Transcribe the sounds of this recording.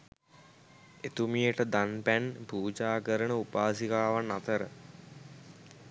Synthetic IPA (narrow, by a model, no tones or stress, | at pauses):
et̪umijəʈəd̪anpænpuːd͡ʒaːkəɾənəupaːsikaːʋanːat̪əɾə